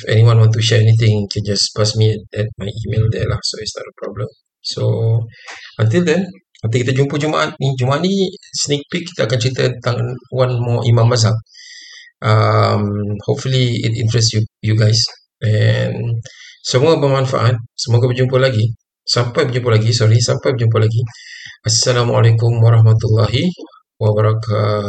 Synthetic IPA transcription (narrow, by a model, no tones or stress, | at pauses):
fɛ̰niwãnwãnt̪uʃɛɹɛnit̪̬ɪ̃ŋkʰɛ̃nd͡ʒaspasmiɛtɛt̚majʔimeldɛlahsoisnɔ̰təpɹɔbləm | so | ʔənt̪̬ild̪ɛn | ə̃nt̪̬ilkit̪ad͡ʒumpəd͡ʒumaʔat̪̚nid͡ʒumaʔat̪̚nisnik̚pikːi̥t̪aakant͡ʃəɾit̪ənt̪aŋnwanmɔʔimãmːas̬ak | ʔəmhopfuliɪ̰t̪ḭnt̪ɾɛstjujuɡajs | ʔɛnsəmuabəmanfa̰ʔat̪̚səmoɡabəd͡ʒumpalaɡi | sampajbərd͡ʒumpalaɡisɔɾisampajbərd͡ʒump̬alaɡiʔasːalamalekʊmwaɾɑɦmat̪ulːaɦi | wabaɾaka